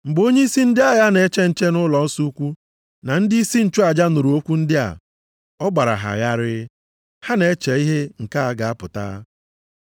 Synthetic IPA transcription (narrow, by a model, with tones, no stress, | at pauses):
ŋ͡m̩˨ɡ͡bo˦ɲe˦i˦si˦n̩˦dɪ˦a˦ja˦ne˨˦t͡ʃe˦n̩˦t͡ʃe˦nʊ˦lɔ˨n̩˦su˦kʷu˦ | na˨n̩˦dɪ˦i˦si˦n̩˨t͡ʃu˦a˨d͡ʒa˦nʊ˨ɾu˨o˦kʷu˦n̩˦dɪ˦a̰˨ | ɔ˦ɡ͡ba˨ɾa̰˨ɦa̰˨ɣa˦ɾɪ˦ | ha˦ne˨e˦t͡ʃe˨i˦ɦe˦ŋ̩˨ka˦a˨ɡa˨a˦pʊ˨ta̰˦